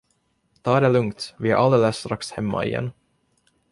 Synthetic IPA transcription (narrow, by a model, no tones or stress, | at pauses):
t̪ʰɑːd̪ɛlɵŋkt̪vɪhæ̰ɾʔald̪ɛləsːt̪ɾakshɛmːa̰ɪ̰jɛ̰nː